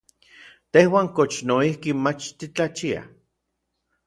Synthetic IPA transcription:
t̪ehwaːŋkot͡ʃnoihkimat͡ʃt̪it͡ɬat͡ʃia̰

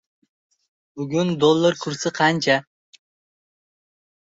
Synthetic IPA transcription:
bʊɡʲʊnd̪olˠːaɾkʰʊɾsɪqʰɑnt͡ʃʰa

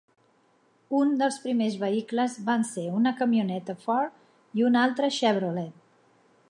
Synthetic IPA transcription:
und̪əlˠspɾimezβəikləzβanseunəkəmiunɛt̪əfɔɾ | iunalˠt̪ɾəʃɛβɾulɛt̪

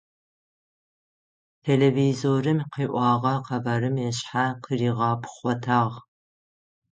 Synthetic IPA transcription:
tʰeleːviːzoːrɨmqiːʔʷɑːʁɐqɐvɐɾɨmjɛɕħaqəriːʁɑːpʰχʷɔtʰaːʁ

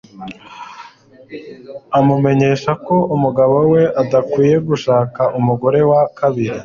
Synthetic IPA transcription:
amume̞ɲe̞ːʃako̞umuɡaβowe̞ʔadakwiːje̞ɡuʃaːkaʔumuɡo̞ɾe̞wakaβiɾi

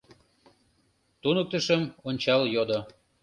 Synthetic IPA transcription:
t̪unək̚t̪əʃəmonʲt͡ɕɑljod̪o

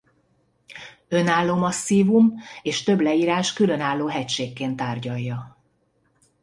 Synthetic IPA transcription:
ø̞naːlːoːmɒsːiːvumeːʃt̪ø̞blɛiːɾaːʃkylø̞naːlːoːɦɛcʃeːkːeːnt̪aːrɟɒjːɒ

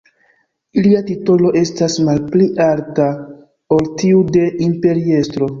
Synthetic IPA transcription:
iliatito̞lo̞ʔe̞stasmalpliʔalta | oltiude̞impe̞ɾie̞stɾo̞

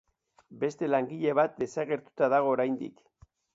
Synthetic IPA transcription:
be̞st̪e̞laŋɡiʎe̞β̞at̪̚d̪e̞saɣe̞ɾt̪u̥t̪aðaɣ̞o̞ːɾajnd̪ḭk

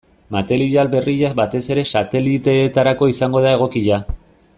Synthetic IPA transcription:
mat̪e̞liʝalβe̞riʎazbat̪e̞se̞ɾe̞sat̪e̞lit̪e̞ːt̪aɾako̞isaŋɡo̞ðae̞ɣ̞o̞kiʎa

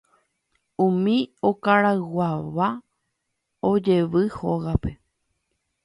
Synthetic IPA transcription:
ũmĩo̞kaɾaɨwaʋa | o̞d͡ʒe̞ʋɨhoɣape̞

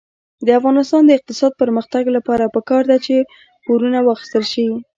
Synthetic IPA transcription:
d̪əafɣɑnɪst̪ɑnd̪əɪq̚t̪ɪsɑd̪̚pəɾməxt̪aɡlapɑɾapəkɑɾd̪at͡ʃe | poɾunawɑxi̥st̪əlʃii

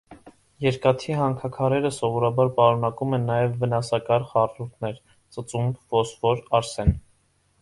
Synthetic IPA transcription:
jɛɾkɑt̪ʰiɦɑŋkʰɑkʰɑɾɛɾəsɔvɔɾɑbɑɾpɑɾunɑkumɛnːɑjɛvːənɑsɑkɑɾχɑrɾuɾt̪ʰnɛɾ | t͡sət͡sumbvɔsvɔɾɑɾsɛn

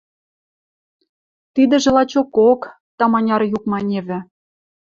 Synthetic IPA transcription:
t̪id̪ɘ̆ʒĕlɑt͡ɕokok | t̪ɑmɑnʲɑɾjukmɑnʲeβʲɘ̆

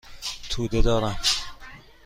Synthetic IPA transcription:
t̪ʰuːd̪ed̪ɒːɾæm

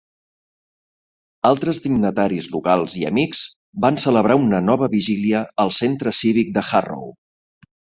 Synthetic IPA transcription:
alˠt̪ɾəzd̪iɡnət̪aɾizlukalˠziə̰mikz̥ | bansələβ̞ɾaunənɔβ̞əβiʒiliəəlˠsent̪ɾəsiβik̚d̪əxa̰ro̰w

